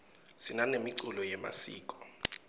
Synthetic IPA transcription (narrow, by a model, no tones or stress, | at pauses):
sinanemiǀulɔjɛma̰sḭːkʼɔ̥